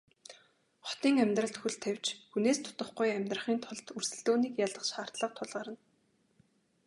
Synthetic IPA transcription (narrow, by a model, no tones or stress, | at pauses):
χɔ̥t̪iːŋæmʲt̪rə̆ɬt̪xuɮt̪ʰæw̥ʲt͡ɕxuneːst̪ʰʊ̥t̪ə̆χɡujæmʲt̪rə̆χiːnt̪ʰʊɮt̪ursɘ̆ɮt̪oːniːkjaɮə̆qʃχaːr̥t̪ɮə̆q̚t̪ʰʊɮʁaːɾə̆n